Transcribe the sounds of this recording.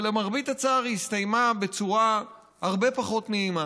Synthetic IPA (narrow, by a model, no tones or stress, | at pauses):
lemaʁbit̪at͡saːʁist̪ajmabe̞t͡suʁa | haʁbe̞paχo̞t̪neima